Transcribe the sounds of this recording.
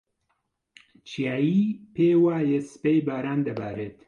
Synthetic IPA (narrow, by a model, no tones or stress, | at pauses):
t͡ʃʰijaːjiːpʰeːwaːjespejbaːɾaːnd̪ɐba̰ːɾet̪